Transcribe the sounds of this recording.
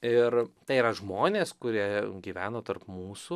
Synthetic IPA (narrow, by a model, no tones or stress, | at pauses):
ɪrt̪ɐɪiɾɐʒmoːnʲeːskʊɾʲiɛɡʲiːʋʲæːnoːt̪ɐrpmuːsu